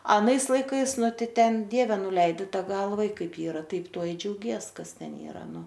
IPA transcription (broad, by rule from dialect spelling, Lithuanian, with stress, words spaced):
ɐˈnɐɪs lˠɐɪˈkɐɪs ˈnʊ ˈtɐɪ ˈtʲɛn ˈdʲiɛʋʲɛ nʊˈlʲɛɪdʲɪ ˈtɑː ˈɡɐlˠʋɐ ɪ ˈkɐɪp ˈiːrɐ ˈtɐɪp ˈtuɔ ɪ d͡ʒʲɛʊˈɡʲiɛs ˈkɐs ˈtʲɛn ˈiːrɐ ˈnʊ